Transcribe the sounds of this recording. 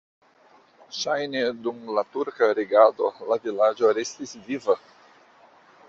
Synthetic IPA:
ʃajnedumlatuɾkaɾeɡado̞̰lavilad͡ʒo̞ɾest̪isviva

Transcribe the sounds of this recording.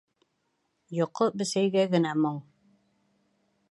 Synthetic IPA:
jŏqːobɘ̆sæjɡæɡɘ̆næmoɴ

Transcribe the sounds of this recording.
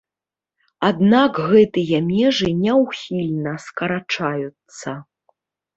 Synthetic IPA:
ad̪nakɣɛt̪ɨjɐmʲɛʐɨnʲɛwxʲilʲnɐskɐɾat͡ʂajut̪sːɐ

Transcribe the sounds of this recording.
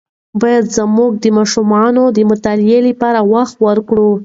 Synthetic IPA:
bɑjad̪zəmuɡ̚d̪əmɑʃumɑnod̪əmʊt̪ɑljeləpɑɾawaxt̪wəɾkɽu

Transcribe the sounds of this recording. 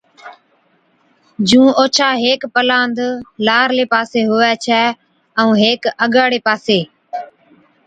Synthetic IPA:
d͡ʒũːoːt͡ʃʰaːɦeːkpəlãːnd̪laːɾleːpaːseːɦʊʋɛːt͡ʃʰɛː | ɛũːɦeːkəɠaːɽeːpaːseː

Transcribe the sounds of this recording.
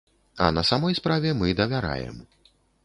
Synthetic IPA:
ɐ̰nɐsamɔjspɾavʲɛmɨd̪ɐvʲaɾa̰jɛ̰m

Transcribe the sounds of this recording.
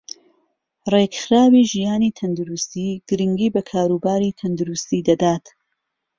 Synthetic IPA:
reɡxɾaːwiːʒijaːniːt̪ʰɐnd̪ʊɾust̪iːɡ̥ɨɾɨŋɡiːbɐkʰaːɾuːbaːɾiːt̪ʰɐnd̪ʊɾust̪iːd̪ɐd̪aːt̪

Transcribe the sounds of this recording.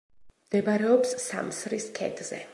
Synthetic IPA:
md̪̥ɛbaɾɛɔpsːa̰msɾiskʰɛ̰d̪ʰʼz̥ɛ̰

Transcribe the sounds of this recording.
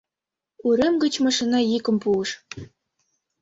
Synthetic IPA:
uɾʲĕmɡɤ̆t͡ɕmɑʂinɑjikɤ̆mpuɤ̆ʃ

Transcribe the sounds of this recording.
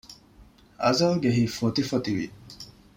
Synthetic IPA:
ɐ̰zɐlɡeɦifot̪ifot̪iʋḭ

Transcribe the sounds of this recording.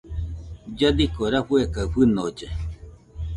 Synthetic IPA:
d͡ʒad̪ikoɾaɸuekaɸɨnod͡ʒe

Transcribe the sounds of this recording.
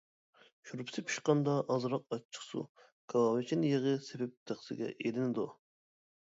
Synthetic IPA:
ʃuɾpʰsɪpʰi̥ʃqɑnd̪ɑʔɑzɾɑq̚ɑt͡ʃʰːə̥χsṵ | kʰɑlˠɑwɪt͡ʃʰinjeʁəsebɛp̚t̪ʰeχsɪɡʲɛ̰ʔelɪnɪd̪u

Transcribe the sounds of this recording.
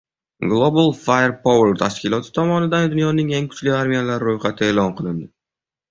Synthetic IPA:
ɡlˠobalˠfajɾpʰoweɾt̪ʰaʃkʲɪlˠɒt̪ʰɪ̥t̪ʰɒmɒnɪd̪and̪ʊnjɒnɪŋe̞ŋkʰʊ̥t͡ʃlɪaɾmijalaɾɾojχat̪ʰɪe̞ːlɒnqʰɨlˠɪnd̪ɪ

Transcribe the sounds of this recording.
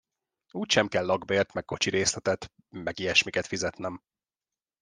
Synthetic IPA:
uːcʃɛmkɛlːɒɡbeːrt̪mɛk̚kːo̞t͡ʃiɾeːslɛt̪ɛt̪ | mɛɡiɛʃmikɛt̪fizɛt̪nɛm

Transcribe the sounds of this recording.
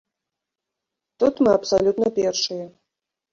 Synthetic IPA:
t̪ut̪mɨɐpsɐlʲut̪nɐpʲerʂɨjɛ

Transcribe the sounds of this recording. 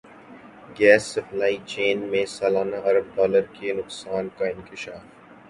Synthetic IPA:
ɡɛːsːɐflaːit͡ʃeːnmẽsaːlaːnaʔɐɾəb̚ɖaːləɾkenʊqsaːnkaɪ̃nkɪʃaːf

